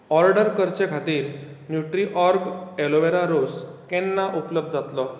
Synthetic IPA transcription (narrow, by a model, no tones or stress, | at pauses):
ɔɾɖəɾkəɾt͡ɕekʰat̪iːɾ | njuʈɾiʔɔɾɡeloʋeɾaɾoskɛnːaʔupləb̚d̪̚d͡zat̪lɔ